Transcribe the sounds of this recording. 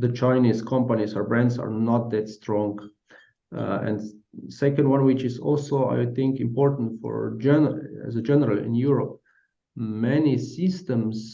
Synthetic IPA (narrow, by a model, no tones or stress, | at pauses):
ðət͡ʃʰãɪnizkʰɔ̃mpənizə˞bɹæ̃ndsa̰ɹnɔt̪̚ðɛtstɹɔ̃ŋɡ | ɛ̰̃ndsɛkə̃ndwʌ̃nwɪt͡ʃɪzɔ̰lˠsoa̰ɪθɪ̃ŋkɪ̃mpɔɹtn̩tfɔ̰ɹd͡ʒɛnæ̰zəd͡ʒɛnəɹəlɪ̰̃njuɹɔp̚ | mɛnisɪstə̃ms